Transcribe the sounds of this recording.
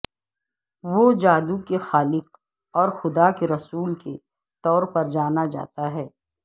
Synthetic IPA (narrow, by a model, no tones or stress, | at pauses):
ʋod͡ʒaːd̪ukexaːlɪk̚ | ɔːɾxʊd̪akeɾɐsuːlke | t̪ɔːɾpɐɾd͡ʒaːnad͡ʒa̰ːt̪aɦɛː